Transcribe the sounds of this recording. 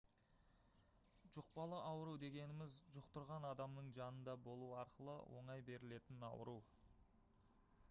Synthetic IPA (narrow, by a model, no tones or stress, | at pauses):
ʒʊq̚pɑlˠəʔɑwəɾud̪e̞ɡʲe̞nɪmɪzʒʊqt̪ʊɾʁɑnɑd̪ɑmnəɴʒɑnənd̪ɑbo̞lˠuwɑɾqəlˠə̰wʔo̞̰ɴɑjbe̞ɾɪle̞t̪ɪnɑ̰wə̰ɾuw